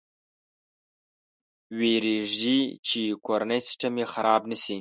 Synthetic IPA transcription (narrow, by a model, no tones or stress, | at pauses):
weɾeʐdit͡ʃikoɾanəjsɪ̥sʈamexaɾɑbnəsi